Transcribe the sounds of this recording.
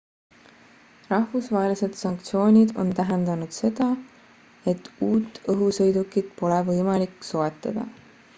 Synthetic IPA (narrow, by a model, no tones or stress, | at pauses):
rɑhvusvɑɦelise̞d̪̥sɑŋk̚t̪sio̞ːnʲid̪o̞̰nt̪æɦend̪ɑnud̪̥se̞d̪̥ɑ | e̞t̪ːˑuːt̪ːˑɤɦusɤ̞jd̪ukːˑid̪̥po̞levɤjmɑlikːˑso̞e̞t̪ːˑɑd̪̥ɑ̰